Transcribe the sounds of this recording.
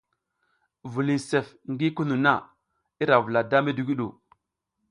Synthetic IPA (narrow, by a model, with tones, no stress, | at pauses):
vu˨li˨se˨f | ŋɡi˦ku˦nu˨na˦˨ | i˦ɾa˨vu˨la˨da˦me˦du˨ɡi˦ɗu˨